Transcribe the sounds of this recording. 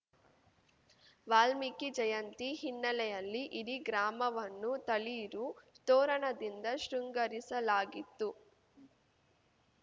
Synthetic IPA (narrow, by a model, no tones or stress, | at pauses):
ʋaːlmikid͡ʒɐjɐnt̪ihinːɐlɛjɐlːiʔiɾiɡɾaːmɐʋɐnːut̪ɐliːɾut̪ɔːɾɐɳɐd̪ind̪ɐʃɾuŋɡɐɾisɐlaːɡit̪ːu